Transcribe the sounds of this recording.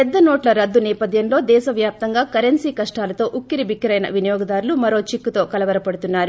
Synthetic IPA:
pɛd̪ːɐnoːʈlɐɾɐd̪ːunɛːpɐd̪ʱjɐnlo̞ːd̪ɛːʃɐʋjaːp̚t̪ɐŋɡaːkɐɾensiːkɐʂʈaːlɐt̪o̞ːʔukːiɾibikːɐɾɐjnɐ̰ʋinɐjɔːɡɐd̪aːɾulumɐɾo̞ːt͡ʃikːut̪o̞ːkɐlɐʋɐɾɐpɐɽut̪unːaːɾu

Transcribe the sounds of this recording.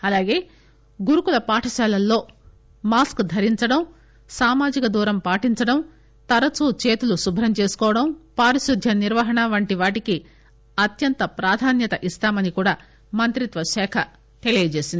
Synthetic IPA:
ɐlaːɡe̞ː | ɡuɾukulɐpaːʈʰɐʃaːlɐlːo̞ː | maːskd̪ʱɐɾiɲt͡ʃɐɽɐm | saːmaːd͡ʒikɐd̪uːɾɐmpaːʈiɲt͡ʃɐɽɐm | t̪ɐɾɐt͡ʃut͡ʃeːt̪ulusubʱɾɐmt͡ʃe̞ːsu̥kɔːʋɐɽɐmpaːɾiʃud̪ʱjɐniɾʋɐɦɐɳɐʋɐɳʈiʋaːʈiki | ɐt̪jɐnt̪ɐpɾaːd̪ʱaːnjɐt̪ɐʔist̪aːmɐnikuːɽaː | mɐnt̪ɾit̪ʋɐʃɛːkʰɐ | t̪elijːɐd͡ʒe̞ːsind̪i

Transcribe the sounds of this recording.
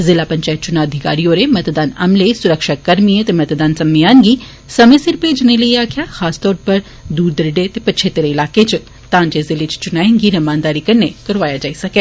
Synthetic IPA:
zɪlapɐɲt͡ʃaːɪt̪̚t͡ʃʊnaɐd̪ʱɪka̰ːɾijoːɾemɐt̪d̪aːnɐmlesʊɾəkʃakːɐɾmiet̪emɐt̪d̪aːnsɐmiaːnɡiː | sɐmẽsɪɾpeːd͡ʒneləiaːkʰɪjaxaːst̪ɔːɾpɐɾ | d̪uːɾd̪əɾɖet̪epɐt͡ʃʰeːt̪eɾeɪlaːket͡ʃ | t̪ãːɲd͡ʒezɪlet͡ʃt͡ʃʊnaːẽŋɡiːɾɐmãːnd̪aːɾikɐnːekɐɾʋaːjad͡ʒaːisɐkeː

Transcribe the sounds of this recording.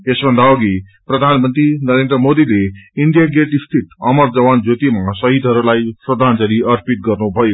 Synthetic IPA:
esbʱʌnd̪aoɡi | prʌd̪ʱanmʌnt̪rinʌɾend̪rʌmod̪ileiɳɖjaɡeʈist̪ʰit̪ʌmʌrd͡zʌwand͡zot̪imasʌɦid̪ʱɦʌɾulajprʌd̪ʱant͡sʌɾiʌrpit̪̚ɡʌrnubʱʌjo

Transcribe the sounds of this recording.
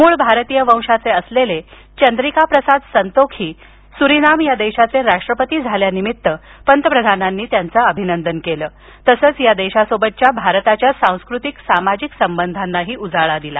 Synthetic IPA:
muːɭbʱaɾt̪ijəʋə̃w̃ʂat͡seəslele | t͡ɕənd̪ɾikapɾəsad̪sənt̪okʰiː | suɾinamjad̪eɕat͡seɾaʂʈɾəpət̪iːd͡zʱaljanimit̪ːəpənt̪əpɾəd̪ʱananːiːt̪jant͡səəbʱinənd̪ənkeləː | t̪əsəːt͡sjad̪eɕasobət̪̚t͡ɕjabʱaɾt̪at͡ɕjasãw̃skɾut̪iksamad͡ʑiksəmbənd̪ʱanːaɦiːʔud͡zaɭad̪ila̰

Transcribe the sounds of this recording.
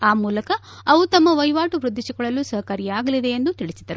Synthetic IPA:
aːmuːlɐkɐː | ʋut̪ɐmːɐʋɐjʋaːʈuʋɾud̪ʱːiʃiɡɐɭɐlːusɐɦɐkɐɾijaːɡɐlid̪e̞end̪ut̪iɭisid̪ɐɾu

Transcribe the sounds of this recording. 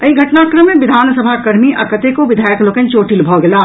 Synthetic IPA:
ɐiɡʱɐʈnaːkɾəmːẽʋɪd̪ʱaːnsəbʱakɐɾmiʔɐkət̪ekoʋɪd̪ʱaːjəkloːkənt͡ʃoːʈilbʱɔɡɐlaː

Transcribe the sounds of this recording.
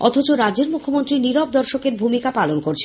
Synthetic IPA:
ɔ̰t̪ʰot͡ɕoɾad͡ʑeɾmukʰːomont̪ɾiniɾɔb̚d̪ɔɾʃokeɾbʱumikapalonkoɾt͡ɕʰ

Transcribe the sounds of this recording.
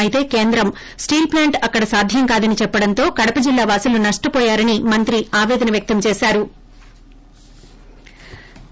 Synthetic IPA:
ɐit̪e̞ːke̞ːnd̪ɾɐm | sʈiːlplaːɳʈɐkːɐɽɐsaːd̪ʱjɐŋkaːd̪ɐnit͡ʃɛpːɐɽɐnt̪o̞ːkɐɽɐpɐd͡ʒilːaːʋaːsulunɐʂʈupɔːjaːɾɐnimɐnt̪ɾiaːʋɛːd̪ɐnɐʋjɐk̚t̪ɐmt͡ʃɛːsaːɾu

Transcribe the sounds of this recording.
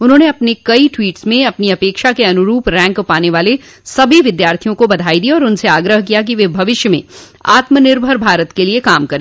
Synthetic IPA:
ʊnɦõːneɐpnekɐiʈʋiːʈsmẽɐpniɐpeːkʃakeɐnʊɾuːpɾɛ̃ːŋkʊpaːneʋaːle | sɐbʱiʋɪd̪jaːɾt̪ʰijõkobɐd̪ʱaːid̪iɔːɾʊnseaːɡɾəɦkijak̬iʋeːbʱɐʋɪʃjəmḛ̃ | a̰ːt̪mənɪɾbʱəɾbʱaːɾət̪keliekaːmkɐɾẽ

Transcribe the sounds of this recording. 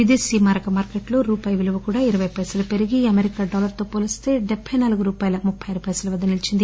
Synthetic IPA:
id̪eːsiːmaːɾɐkɐmaːɾkeʈloɾuːpaːjɐʋiluʋɐkuːɽaːiɾɐʋɐjpɐjsɐlɐpeɾiɡiɐmeɾikaːɖɔːlɐɾt̪o̞ːpolist̪e̞ːd̪ɛbʱːɐjnaːluɡuɾuːpaːjɐlɐmupʰːɐjɐɾupɐjsɐlɐʋɐd̪ːɐnilit͡ʃind̪i

